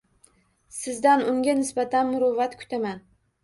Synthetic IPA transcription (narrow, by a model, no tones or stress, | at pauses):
sɪzd̪anʊŋɡʲanɪsbat̪ʰanmʊɾovat̪kʰʊ̥t̪ʰaman